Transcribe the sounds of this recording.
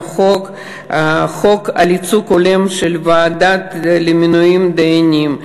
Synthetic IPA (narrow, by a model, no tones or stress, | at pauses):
χok | χoka̰lit͡sukolemʃelvaːd̪at̪lemʲinuimd̪eenʲim